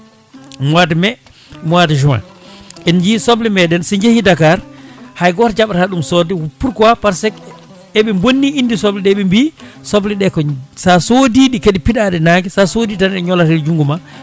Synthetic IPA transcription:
mwatɛmɛ | mwatɛd͡ʒuma̰ | ʔɛnd͡ʒisɔblɛmɛɗɛnsɛɲd͡ʒehidakaɾhajɡɔɾd͡ʒaɓaɾaɗumsɔdɛwupːuɾkɔwapaɾsɛk | ɛɓɛmbonːiindisɔblɛɗɛɓɛmbisɔblɛɗɛkɔsasodiɗikeɗipiɗaɗɛnaːŋɡɛsasoditanɛɲɔlaɾɛld͡ʒuŋɡuma

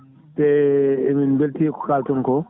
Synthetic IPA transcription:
tɛminbeltiɛkɔ̥kaltɔŋkɔ

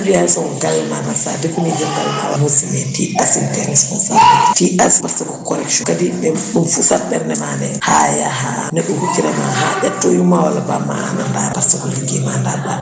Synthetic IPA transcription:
d͡ʒujasɔɡawɛmamasa̰dekunid͡ʒɛndawɛma̰wamusimɛtiʔasintɛŋɛspɔnsabilittiʔaspaɾsakɔkɔɾɛkʃɔkadiɓɛɗumfusadɛɾnɛmanɛhajaɦanɛɗumhukiɾɛma̰ɦaɗatːɔjumawa̰labama̰nandabaɾsaɡɔliɡimandaba

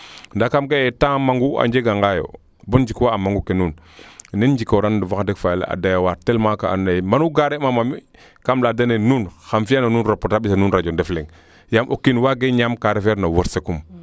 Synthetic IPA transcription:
ndakamkeetamaŋɡua̰ɲd͡ʒeɡaŋɡajo̰ | bond͡ʒikaamaŋɡukenun | nend͡ʒikoɾanduvakadekfajla̰a̰dajawaɾtelmakaa̰nːajmanuɡaɾemamami | kamladanenuːnxamfiananuːnɾopotaɓisanunɾad͡ʒondefleŋ | jamʔokːinwaɡeɲamkaɾefeɾnawoɾsekum

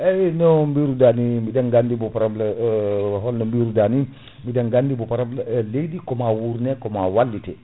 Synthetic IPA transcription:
ɛnɔmbiɾudanimidaŋɡandibɔpaɾabla | ɦɔlnɔmbiɾudani | midaŋɡandibɔpaɾablalejdikɔmawuɾnɛkɔmawalːitɛ

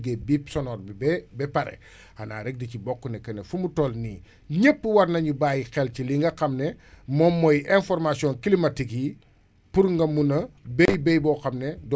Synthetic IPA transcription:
ɡebipsɔnɔːrɛbɛpɐɾɛ̰ | ɐna̰ːɾɛk̚dicibɔkːunɛkɐnɛfumutɔlniː | ɲəpːəwɐɾnɐɲubaːjixɛlciliŋɡɐxɐmnɛmɔmːɔjʔɛnfɔrmasiɔ̃nkilimɐtiki | puɾŋɡɐmunɐbɛjbɛjbɔːxɐmnɛd

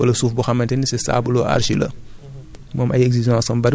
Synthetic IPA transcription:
ɐlɐsuːfbuxɐmːɐntɛnisɛsa̰ːbulɔːʔa̰ɾʃilɐ̰ | mɔːmʔɐjɛɡziʒãːsɐmbɐɾ

